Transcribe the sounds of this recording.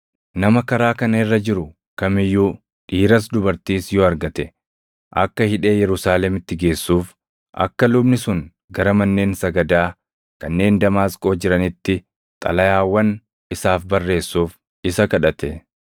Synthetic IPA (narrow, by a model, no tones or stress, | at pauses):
nɐmɐkɐɾaːkɐnɐɪrːɐd͡ʒɪɾʊ | kɐmɪjːuː | ᶑiːɾɐs̬d̪ʊbɐɾt̪iːsjɔɐɾɡɐt̪ɛ | ʔɐ̰kːɐhɪᶑe̞ːjɛɾʊsaːlɛmɪt̪ːɪɡe̞ːsːuːf | ʔɐ̰kːɐlʊbnɪsʊŋ | ɡɐɾɐmɐnːe̞ːnsɐɡɐd̪aː | kɐnːe̞ːnd̪ɐmaːskʼo̞ːd͡ʒɪɾɐnɪt̪ːɪ | t̪ʼɐ̰lɐjaːwːɐn | ɪsaːfbɐrːe̞ːsːuːf | ɪsɐkɐᶑɐt̪ɛ